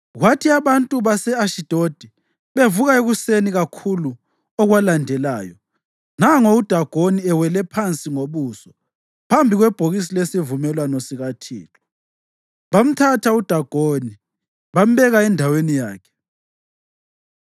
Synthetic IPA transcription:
ɣwatʰiaβantʼuβasɛaʃid̥ʱod̥ʱi | βevuɣaeɣuseniɣakʰulu | ɔɣwalandʱɛlaːjɔ | naŋoud̥ʱaɡ̥ʱoniɛwɛlɛpʰant͡sʼiŋoβuːsɔ̥ | pʰambʱiɣwɛb̥ʱoɣisilesivumɛlwanosiɣatʰḭːlɔ | βam̩tʰatʰaud̥ʱaɡ̥ʱoni | βam̩βɛɣaɛndʱawenijaːkʰɛ̥

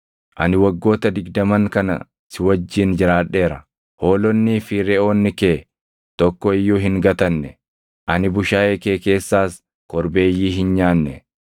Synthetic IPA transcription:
ʔɐ̰nɪwɐɡːo̞ːt̪ɐd̪ɪɡd̪ɐmɐŋkɐnɐ̰ | sɪwɐd͡ʒːiːnd͡ʒɪɾaːᶑːe̞ːɾɐ | ho̞ːlɔnːiːfiːɾɛoːnːɪke̞ː | t̪ɔkːɔɪjːuːɦɪŋɡɐt̪ɐnːɛ | ʔɐnɪbʊʃaːʔeːke̞ːke̞ːsːaːs | kɔɾbe̞ːjːiːɦɪnɲaːnːɛ

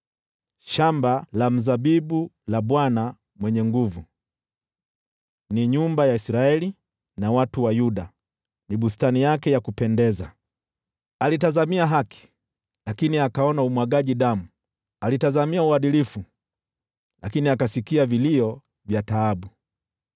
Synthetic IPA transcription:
ʃambalam̩zaɓiɓu | laɓwana | mwɛɲɛŋɡuvu | niɲumbajaisɾaɛli | nawatuwajuɗa | niɓustanijakɛjakupɛndɛza | alitazamiaɦaki̥ | lakiniakaɔnaumwaɡaʄiɗamu | alitazamiauaɗilifu | lakiniakasikiaviliɔ | vjataaɓu

